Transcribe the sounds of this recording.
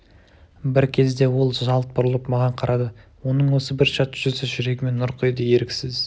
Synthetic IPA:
bɪɾkʲʰe̞zd̪e̞wo̞lˠʒɑlˠt̪̚bʊɾəlˠəpmɑʁɑɴqʰɑɾʔɑd̪əwo̞nəɴwo̞səbɪɾʃɑt̪ʒʏɾsɪʒʏɾe̞ɡʲɪme̞nːʊɾqʰəjd̪eje̞ɾɪkʲsɪz

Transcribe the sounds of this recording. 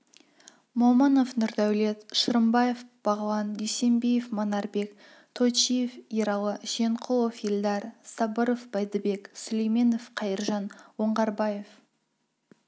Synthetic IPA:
momɑno̞fnʊɾd̪æwle̞t̪ʃəɾəmbɑjefb̥ɑʁlˠɑnd̪ejse̞mbejefmonɑɾbe̞k | t̪ʰo̞t͡ʃijefiɾɑlˠəʒ̥e̞ɴqʰolˠofilˠd̪ɑɾsɑbəɾofb̥ɑjd̪əbe̞ksʊlejme̞nofqʰɑjəɾʒɑnwoɴʁɑɾbɑjef

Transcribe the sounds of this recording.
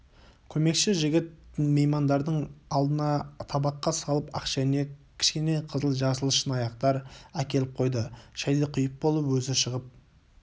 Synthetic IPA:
kʲʰɵme̞kʃɪʒɪɡʲɪt̪̚mejmɑnd̪ɑɾd̪əɴɑlˠd̪ənɑt̪ʰɑbɑqːɑsɑlˠəpɑ̰qʃæne̞kʲʰɪ̥ʃkʲe̞ne̞jqʰəzəlˠʒɑsəlˠəʃənɑjɑqt̪ɑɾækʲe̞lɪp̚qʰo̞jd̪əʃæjd̪eqʰʊjəp̚bo̞lˠəpwɵzɪʃəʁəp̚

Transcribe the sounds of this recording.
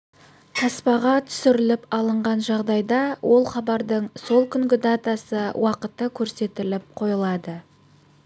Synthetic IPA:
t̪ʰɑspɑʁɑt̪ʰʏ̥sʏɾɪlɪpɑlˠəɴʁɑnʒɑʁd̪ɑjd̪ɑwʔo̞lˠχɑbɑɾd̪əɴso̞lˠkʲʰʏŋɡʲɪd̪at̪asəwʔɑqət̪əkʲʰɵɾse̞t̪ɪlɪp̚qʰo̞jəlˠɑd̪ə

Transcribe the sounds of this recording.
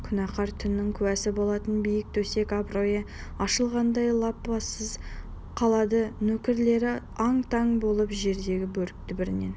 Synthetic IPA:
kʲʰʏnɑqɑɾt̪ʰʏnːɪŋkʲʰʏwæsɪbo̞lˠɑt̪ənbijɪk̚t̪ʰɵse̞kɑbɾojə | ɑʃəlˠʁɑnd̪ɑjlˠɑpːɑsəz | qʰɑlˠɑd̪ənɵkʲɪɾle̞ɾɪɑɴt̪ʰɑŋbo̞lˠəpʒe̞ɾd̪e̞ɡʲɪbɵɾɪk̚t̪ʰɪbɪɾɪne̞̰n

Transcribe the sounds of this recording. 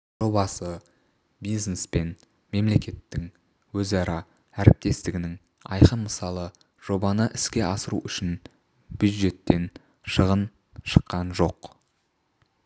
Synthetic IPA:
ʒ̥o̞bɑsə | bijznespe̞n | me̞mle̞kʲe̞t̪ːɪŋ | wɵzɑɾɑ | æɾɪp̚t̪e̞st̪ɪɡʲɪnɪŋ | ɑ̰jqənməsɑlˠə | ʒ̥o̞bɑnəʔɪskʲe̞ʔɑsəɾuʔʏʃɪn | b̥juʒe̞t̪ːe̞n | ʃəʁən | ʃə̥qːɑnʒo̞q

